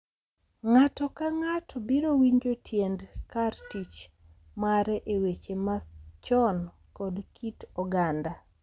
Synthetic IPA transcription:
ŋatɔkaŋatʰɔbiɾowiɲd͡ʒotʰjendkartit͡ʃ | maɾɛʔewet͡ʃemat͡ʃɔn | kɔdkʰitɔɡanda

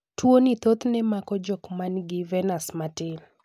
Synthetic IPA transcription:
twonit̪ot̪nɛmakɔd͡ʒɔkmanɡɪvɛnasmatɪl

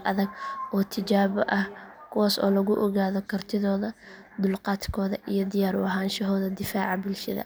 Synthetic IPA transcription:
ʔɐðɐɡʔɔːt̪ʰɪt͡ʃaːβɐʔɐhkʰʊwaːsɔ̰ːlɐɣʊʔɔɣaːðɔkʰɐrt̪ʰɪðɔːðɐ | d̪ʊlqɑːt̪kʰɔːðɐʔijɔd̪ɪjaːɾwɔɦaːnʃɐɦɔːðɐd̪ɪfaːʕɑbɪlʃɐðɐ̰

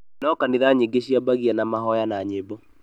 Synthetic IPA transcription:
nɔkaniɾaɲeɡeɕiabaɣianamaɦɔjanaɲebɔ

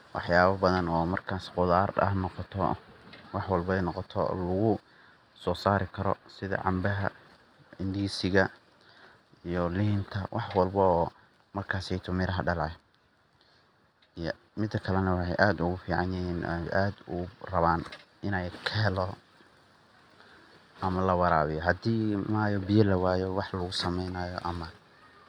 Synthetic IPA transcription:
wʔɑ̰ħjaːβɐbɐðɐnɔːmɐrkʰaːsqʊðaːrɐ̰ɦnɔqɔt̪ʰɔ̰wɑħwɑlbɛjnɔqɔt̪ʰɔ̰lʊɣʊ | sɔːsaːɾɪkʰɐɾɔ̰sɪðɐ̰ʕɑ̰mbɐɦɐ | ɪnd̪iːsɪɣɐ | ijɔliːnt̪ʰɐwʔɑħwɑlbɐɔː | mɐrkʰaːsɛjt̪ʰʊmɪɾɐɦɐɖɐlʕɛ | mɪd̪ːɐkʰɐlɛnɐwɑħḛjʔaːd̪ʊɣʊfiːʕɑnjɪɦiːn̰ʔaːd̪ʊrɐβaːn | ɪnɛjkʰɛlɔ | ʔɐmɐlɐwɑɾaːβɪjɔɦɐd̪iːmaːjɔbɪjɐlɐwaːjɔwɑħlɐɣʊsɐmɛjnajɔ̰ʔɐmɐ

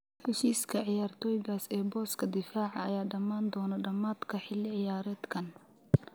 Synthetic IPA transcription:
ħɛʃiːskʰɐʕɪjaːrt̪ʰɔːjɪɣaːsɛːbɔːskʰɐd̪ɪfaːʕɑɐjaːɖɐmaːnd̪ɔːnɐɖɐmaːd̪kʰɐħɪlːɪʕɪjaːɾɛːd̪kʰɐn

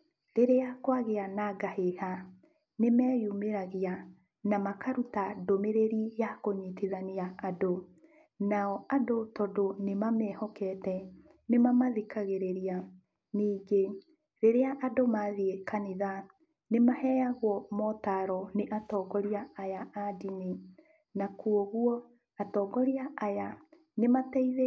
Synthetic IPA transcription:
ɾeɾeakwaɣeanaɡaheha | nemɛːjumeɾaɣea | namakaɾutadomeɾeɾijakoɲitiðaneaado | naɔadotɔdonemamɛhɔkɛtɛ | nemamaðekaɣeɾeɾia | niːɡe | ɾeɾeaʔadomaðiekaniða | nemahɛjaɣwɔmɔtaɾɔneʔatɔɡɔɾiaːjaadini | nakuoɣwɔ | atɔːɡɔɾiaaja | nematɛiðe

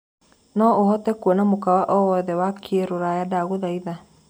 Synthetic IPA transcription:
nɔohɔtɛkuɔnamokawaʔɔwɔðɛwakʰeɾoɾajadaɣoðaiða

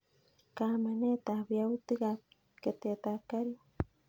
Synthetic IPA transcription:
kamanet̪abjawt̪ɨka | ket̪et̪akaɾjo

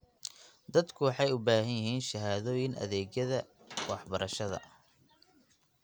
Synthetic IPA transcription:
d̪ɐd̪kʰʊwɑħɑjʊbaːɦɐnjɪɦiːnʃɐɦaːðɔːjɪnɐ̰ðɛːɣjɐðɐ | wɑħbɐɾʔɐʃɐðɐ̰

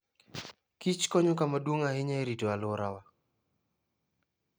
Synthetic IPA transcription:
kit͡ʃkɔɲɔkamadwoŋahɪɲaɾitɔalʊɾawa

